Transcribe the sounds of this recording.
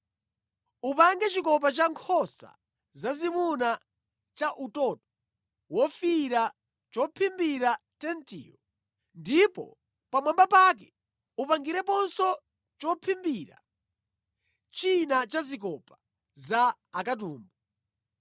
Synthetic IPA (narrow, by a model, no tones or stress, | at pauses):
upaŋɡɛt͡ʃikɔp̬at͡ʃaŋkʰɔsa̰ | zazimuna | t͡ʃaʔutɔtɔ̥ | wɔfiɾa | t͡ʃɔpʰimbiɾatɛntḭːɔ | ndipɔ̰ | pamwambapak̬ɛ | upaŋɡiɾɛpɔnsɔ | t͡ʃɔpʰimbiɾa̰ | t͡ʃinat͡ʃazik̬ɔpḁ | zaː | kat̬uːmbɔ